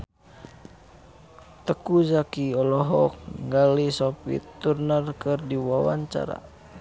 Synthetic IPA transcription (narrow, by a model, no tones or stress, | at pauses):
t̪əkuzakiɔlɔɦɔk̚ŋɡalisɔpḭt̪ːurnərkɨrdiwawa̰ɲt͡ʃa̰ɾa̰